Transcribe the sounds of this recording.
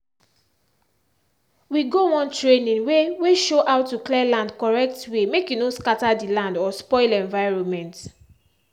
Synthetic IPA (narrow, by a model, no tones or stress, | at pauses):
wiɡowɔ̃ntɹenĩnweweʃoʔaʊtːuklɛlãndkɔɹɛk̚twemekjunõskatadilãndɔspɔɪlɛ̃ɱvaɪɹõnmɛ̃nt